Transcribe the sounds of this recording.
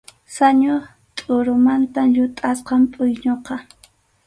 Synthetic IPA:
saɲoɾ | t̪ʼʊɾʊmant̪aʎʊt̪ʼasqɑmpʼʊjɲoqɑ

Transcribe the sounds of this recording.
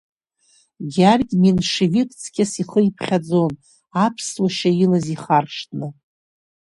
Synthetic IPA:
ɡʲarɡʲminʂivikʼt͡sʰkʲasiχəjpʰχʲad͡zo̞n | apʰswaʃailaziχarʂtʰʼnɨ

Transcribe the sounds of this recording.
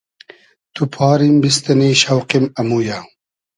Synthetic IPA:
t̪upʰɑːɾimbist̪ɐniːɕɐwqimɐmuːja

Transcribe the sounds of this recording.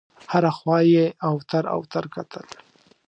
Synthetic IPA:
haɾaxwɑjeawt̪aɾa̰wt̪aɾkat̪ʰəl

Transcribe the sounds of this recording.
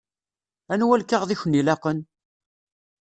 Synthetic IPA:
ænwælkːəʁðiçənilɑqən

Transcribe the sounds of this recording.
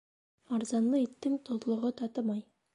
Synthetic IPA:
ɑɾzɑnlˠəet̪ːɪŋt̪ʰozlˠəʁət̪ʰɑt̪əmɑj

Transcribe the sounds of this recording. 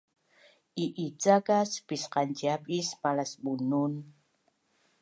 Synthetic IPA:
ʔiʔit͡sakaspisqant͡ʃiapʼispalasbunun

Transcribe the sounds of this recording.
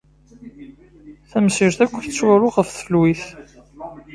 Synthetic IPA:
θæmsiɾθækʷːəθt͡sːwæɾʊʁəfθfəlwiθ

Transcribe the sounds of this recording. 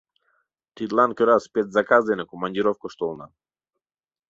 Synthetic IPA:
t̪id̪lˠankəɾaspɛt̪zakazd̪ɛnakɔmanʲd̪ʲiɾɔfkɔʃt̪ɔlˠna̰

